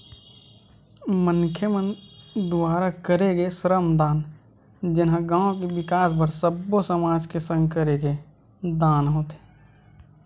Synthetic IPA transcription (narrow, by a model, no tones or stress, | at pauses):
mənkʰjəmənd̪ʊwaːɾakəɾeɡesɾəmd̪aːn | d͡ʒɪnɦãɡãːõkibɪkaːsbəɾsəbːosəmaːd͡ʒkesə̃ŋɡkəɾeɡe | d̪aːnɦoːt̪e̥ː